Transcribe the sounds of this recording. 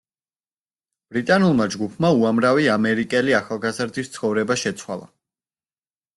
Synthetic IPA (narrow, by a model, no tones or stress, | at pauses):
b̥ɾit̪ʼanulˠmad͡ʒɡupʰmauamɾaviamɛɾikʼɛliaχalˠɡazɾd̪ist̪sʰχɔvɾɛbaʃɛt̪sʰwalˠa̰